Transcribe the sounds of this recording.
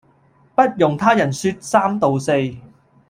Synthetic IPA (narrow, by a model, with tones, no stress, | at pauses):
pɐ˥t̚jʊ˨ŋt̪ʰaː˥jɐ˨˩nsyː˧t̚saː˥mt̪o˨wse˧j